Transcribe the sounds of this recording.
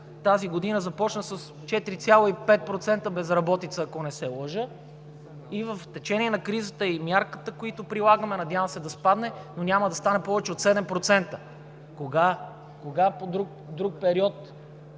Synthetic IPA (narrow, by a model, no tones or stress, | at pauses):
t̪aziɡod̪inəzɐpɔt͡ʃnəsəs | t͡ʃɛt̪iɾit̪sʲjalˠoipɛt̪̚pɾot̪sɛnt̪əbɛzɾɐbɔt̪it̪səːkonɛsɛlˠɤʒə | ivəft̪ɛt͡ʃɛnʲiɛnɐkɾizət̪əimʲjaɾkət̪əkoit̪opɾilˠaɡəmɛnɐd̪ʲjavəmsɛd̪ɐspad̪nɛnonʲaməd̪ɐst̪anɛpɔvɛt͡ʃɛot̪sɛd̪ɛmpɾot̪sɛnt̪ə | koɡa | koɡapod̪ɾuk | d̪ɾuk̚pɛɾiɔt̪